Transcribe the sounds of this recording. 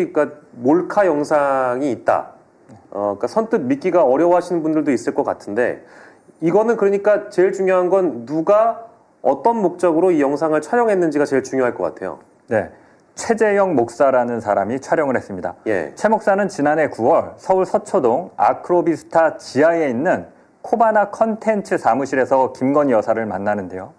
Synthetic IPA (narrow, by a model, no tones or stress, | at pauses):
k͈amoɭkʰajʌŋsʰaŋiːt̚t͈a̰ | ʌk͈asʰʌntʰɯk̚mik͈iɡaʌɾjʌwɦaɕʰinɯnbundɯɭdois͈ɯɭk͈ʌk͈atʰɯnde̞̰ | iɡʌnɯnkɯɾʌɲik͈at͡ɕe̞ɭt͡ɕuŋjoɦanɡʌnːuɡa | ʌ̰t͈ʌnmok̚t͡ɕ͈ʌɡɯɾoijʌŋsʰaŋɯɭt͡ɕʰaɾjʌŋɦe̞nːɯnd͡ʑiɡat͡ɕe̞ɭt͡ɕuŋjoɦaɭk͈ʌk͈a̰tʰe̞jo̰ | ne̞ | t͡ɕʰe̞d͡ʑe̞jʌŋmok̚s͈aɾanɯnsʰaɾamit͡ɕʰwaɾjʌŋɯɭhes͈ɯmɲida̰jḛt͡ɕʰe̞mok̚s͈anɯnt͡ɕinane̞kuwʌɭsʰʌuɭsʰʌt͡ɕʰodoŋa̰kʰɯɾobisʰɯ̥tʰat͡ɕiae̞inːɯn | kʰobanakʰʌntʰe̞nt͡ɕʰɯsʰamuɕʰiɾe̞sʰʌkimɡʌnjʌsʰaɾɯɭmanːanɯnde̞jo